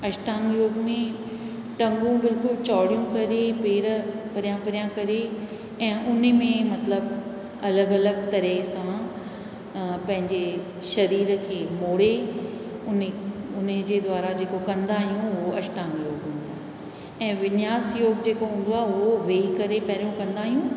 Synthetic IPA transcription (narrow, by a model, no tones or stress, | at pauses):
ɐʃʈãːŋɡjoːɡmẽ | ʈɐ̃ŋɡũbɪlkʊlt͡ɕɔːɽijũkɐɾepeːɾpɐɾijãpɐɾijãkɐɾe | ɛ̃ːʔʊnmẽmɐt̪ləb | ɐləɡɐləɡt̪ɐɾesã | pɐ̃ɦɪ̃ɲd͡ʑe | ʃɐɾiːɾkʰeːmoːɽe | ʊnʊnəd͡ʑeːd̪waːɾad͡ʑeːkokɐ̃nd̪aːɦijũʊoɐʃʈaːnjoːɡɦũːn̆d̪aːɦ | ɛ̃ːʋɪnjaːsjoːɡd͡ʑeːkoɦũːn̆d̪oaːɦʊɦoʋeːikɐɾepɐɾijũkɐ̃nd̪aːɦijũ